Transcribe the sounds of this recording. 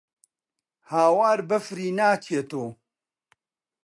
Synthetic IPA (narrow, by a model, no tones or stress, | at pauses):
haːwaːɾbəfɾiːnaːkʰeːt̪oː